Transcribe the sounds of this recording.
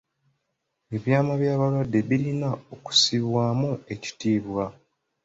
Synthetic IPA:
e̞βjaːmaβjaːβalwadːe̞βiɾinao̞ku̥siβwaːmue̞ci̥tiːβwa

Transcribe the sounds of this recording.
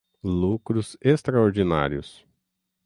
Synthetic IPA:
lukɾʊzest̪ɾaoɾd͡ʒina̰ɾiʊ̰s

